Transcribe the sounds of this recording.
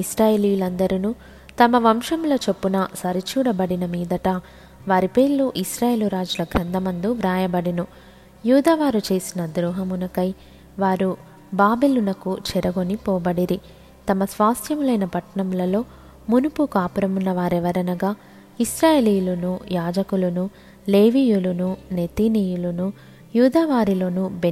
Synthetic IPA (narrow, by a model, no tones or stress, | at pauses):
isɾaːjeliːjulɐnd̪ɐɾinuː | t̪ɐmɐʋɐmʂɐmulɐt͡ʃepːunɐsɐɾit͡ʃuːɽɐbɐɽinɐmiːd̪ɐʈɐ | ʋaːɾipeːɾloːʔisɾaːjeːluɾaːd͡ʒulɐɡʱɾɐnd̪ɐmɐnd̪uʋɾaːjɐbɐɽinu | juːd̪aːʋaːɾut͡ʃe̞ːsinɐd̪ɾuːɦɐmunɐkɐj | ʋaːɾu | baːbelunɐkut͡ʃɛɾɐɡo̞nipɔːbɐɽiɾi | t̪ɐmɐsʋaːst̪ʰjɐmulɐjnɐpɐʈːɐɳɐmulɐlo̞ː | munupukaːpuɾɐmunːɐʋaːɾɛʋɐɾɐnɐɡaː | isɾaːjeːliːjulunujaːd͡ʒɐkulunu | le̞ːʋiːjulunune̞t̪iniːjulunu | juːd̪aːʋaːɾilo̞ːnube